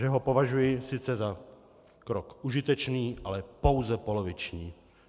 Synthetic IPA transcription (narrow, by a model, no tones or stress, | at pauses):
ʒɛɦopo̞vaʒujɪsɪt͡sɛza | kɾokʔuʒɪt̪ɛt͡ʃniːʔalɛpo̞wzɛpo̞lo̞vɪt͡ʃɲiː